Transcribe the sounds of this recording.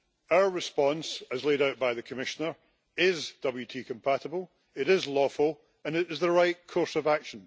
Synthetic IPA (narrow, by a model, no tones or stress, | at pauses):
aʊə˞ɹɪspɔ̃nsəzlˠeɾaʊʔb̥aɪðəkʰəmɪʃənə˞ | ɪzd̥ʌbl̩ˠjʉtʰiːkʰə̃mpʰaʔəbəl̩ˠ | ɪʔɪzlˠɔfəlˠ | ə̃nɪʔɪzðəɹaɪʔkʰɔɹsəvakʃə̃n